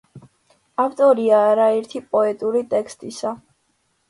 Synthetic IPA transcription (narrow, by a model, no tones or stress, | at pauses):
aft̪ʼɔɾiaːɾaɛɾt̪ʰipʼɔɛt̪ʼuɾit̪ʼɛkʰst̪ʼisa